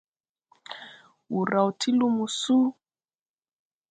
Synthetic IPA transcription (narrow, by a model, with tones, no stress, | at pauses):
u˨ɾa˨u˨tʰi˦lu˦mu˨su˦